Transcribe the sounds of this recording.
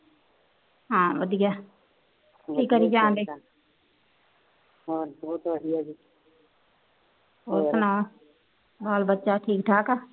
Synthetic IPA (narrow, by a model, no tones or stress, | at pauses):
ɦãːʋəd̪ɪjaː | iːkːəɾid͡ʒãːnd̪eː | ɦoboːt̪ʋəd̪ijad͡ʒiː | oːɾsənaː | baːlbətːʃaʈʰiːkʈ̪ʰaːkaː